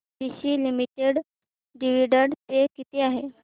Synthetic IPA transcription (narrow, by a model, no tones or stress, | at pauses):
biɕiːlimiʈeɽ | ɖiʋ̤iɽəɽt̪ekit̪eaɦe